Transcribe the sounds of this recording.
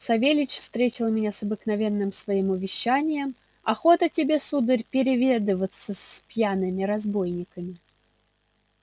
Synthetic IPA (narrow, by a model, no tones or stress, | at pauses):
sɐvʲelʲɪt͡ɕfst̪ɾʲet͡ɕʲɪlˠmʲɪnʲasɐbɨknɐvʲenːɨmsvɐimʊvʲɪɕːanʲɪjəm | ɐxo̞t̪ətʲɪbʲe̞sud̪ɨrʲpʲɪɾʲɪvʲed̪ɨvət̪sːəspjanɨmʲɪɾɐzbo̞jnʲɪkəmʲɪ